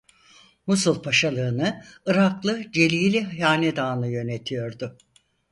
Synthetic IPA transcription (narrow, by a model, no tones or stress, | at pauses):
musulˠpʰaʃalˠɯːnɯɯɾaklˠɯd͡ʒe̞lʲiːlʲiɦjaːnɛd̪aːnɯjø̞net̪ʰijo̞ɾd̪ʊ